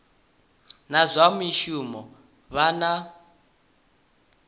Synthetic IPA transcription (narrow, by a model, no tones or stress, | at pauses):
nazʷamiʃumɔ | βana